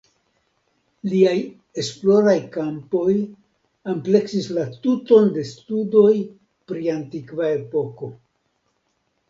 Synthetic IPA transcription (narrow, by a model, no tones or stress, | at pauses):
liaj | e̞splo̞ɾajkampo̞j | ample̞ksislatuto̞nde̞studo̞j | pɾiantikvae̞po̞ko̞